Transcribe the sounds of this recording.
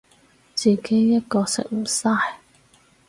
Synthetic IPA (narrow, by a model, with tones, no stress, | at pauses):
t͡siː˨ke˨˥jːɐ˥t̚kɔː˧sɪ̰˨k̚m̩˨˩saː˥˧j